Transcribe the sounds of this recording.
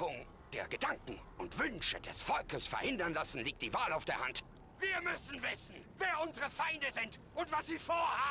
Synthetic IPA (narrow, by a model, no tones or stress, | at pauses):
ʊŋ | d̥eːɐɡədaŋkŋ̩ | ʊntv̥ʏnʃədɛ̰sfɔlkəsfɛ̰ɐhɪndɐnlasn̩liːk̚td̥iːvaːlaʊfd̥eːɐhant | viːɐmʏsn̩vɪsn̩veːɐʔʊnzəʁəfaɪndəzɪnt | ʊntv̥asz̥iːfoːɐhaː